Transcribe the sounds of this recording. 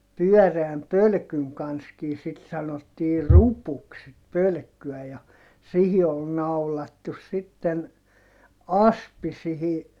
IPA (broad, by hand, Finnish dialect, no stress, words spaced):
pyœˑreæm pølkyŋ kɑnskiː sit sɑnotːiː rupuks sit pølkːyæ jɑ sihi ol nɑulɑtːus sitːen ɑspi sihi